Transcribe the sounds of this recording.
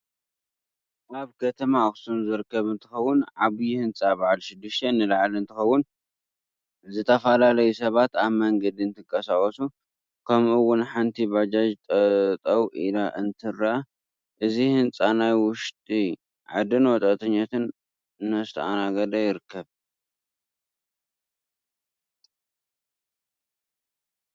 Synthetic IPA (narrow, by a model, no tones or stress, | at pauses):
ʔaβkʰɐt̪ʰɐmaxsumzɨɾɨkːɐβɨnt̪ʰɨxɐwːʊnʕaβjihɨnt͡sʼaβaʕalʃɪd̪ːɨʃt̪ʰenɨlaʕlɨnt̪ʰɨxɐwːʊn | zɨt̪ʰɐfalalɐjusɐβat̪aβmɐŋɡɐd̪iɨnt̪ʰɨkʼːɐsakʼɐsu | kʰɐmʔuwʊnħant̪ʰiβad͡ʒad͡ʒt̪ʼɐt̪ʼɐwʔilaʔɨnt̪ʰɨɾa | ʔɨzihɨnt͡sʼanajwʊʃt̪ʼi | ʕa̰d̪ɨnwɔt̪ʼat̪ʰɐɲːat̪ʰɨn | nɐsɨt̪ʰɐanaɡɐd̪ɐjɪɾɨkʰːɐβ